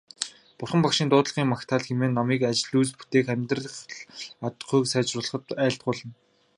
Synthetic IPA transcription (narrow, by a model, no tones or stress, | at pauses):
pʊrχə̆mpakʃiːnt̪ʊːt̪ɮʁiːŋmakt̪ʰaːɮxemeːnːamiːkat͡ɕɪ̆ɮuːspu̥t̪eːxæmʲt̪rə̆χat̪̆ɢujksæːt͡ɕrʊːɮ̆χə̆t̪æːɬt̪̚ɢʊːɮə̆n